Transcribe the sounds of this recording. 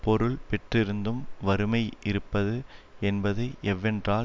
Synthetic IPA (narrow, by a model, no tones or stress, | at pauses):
pɔɾɯɭpɛʈrɪɾɯnd̪ɯmʋɐɾɯmɐɪʔɪɾɯpːɐðɯɛnbɐðɐɪʔɛʋːɛndraː